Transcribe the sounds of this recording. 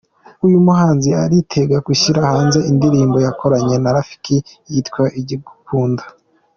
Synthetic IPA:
ujumuɦaːnziaɾitʰe̞ɡakuʃiɾahaːnze̞indiɾiːmbo̞jakʰo̞ɾaɲe̞naɾafi̥ke | jitkwaʔiɟiɡukuːndḁ

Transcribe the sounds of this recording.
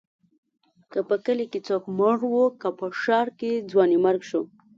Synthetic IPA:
kəpəkəleket͡sokməɽwokapəʃɑɾked͡zwɑnimaɾɡʃo

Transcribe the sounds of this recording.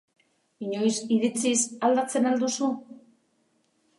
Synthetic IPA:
iɲo̞jsiðit͡sisald̪at͡se̞nald̪usu

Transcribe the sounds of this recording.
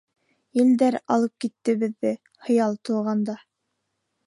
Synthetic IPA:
ild̪æɾɑ̰lˠɤp̚kit̪ːɘ̆βɘ̆ðːɘ | hɤ̆jɑlˠt̪ŭʁɑnd̪ɑ

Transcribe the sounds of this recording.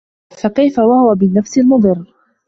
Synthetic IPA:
fakajfawahʊwabɪnːafsɪlmʊd̪ˤɨrː

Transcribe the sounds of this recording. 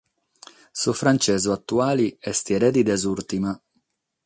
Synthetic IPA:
sufɾant͡ʃɛːzuat̪ːuaːliɛst̪iɛɾɛd̪id̪ɛzuɾt̪ima

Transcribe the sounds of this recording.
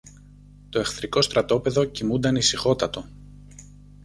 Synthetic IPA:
t̪o̞e̞xθɾiko̞st̪ɾɐt̪o̞pe̞ðo̞cimund̪ɐnisixo̞t̪ɐt̪o̞

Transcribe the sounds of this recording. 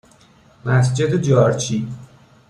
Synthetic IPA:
mæsd͡ʒe̞d̪ed͡ʒɒːɾt͡ʃʰi

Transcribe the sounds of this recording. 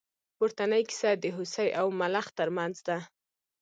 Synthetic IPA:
pʊɾt̪anəjkɪ̥sad̪əɦʊsajʔawmalaxt̪əɾmanzd̪a

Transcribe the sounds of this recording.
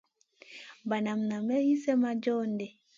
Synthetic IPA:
banamnamɛjisɛmad͡ʒɔndɛ

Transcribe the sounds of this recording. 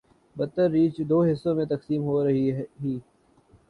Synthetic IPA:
bɐt̪ːəɾːiːt͡ʃd̪oːɦɪsːõmẽt̪ɐksiːmɦoɾɐɦiɦiː

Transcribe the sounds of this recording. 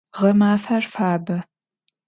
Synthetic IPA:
ʁɐmaːfɐrfaːbɐ

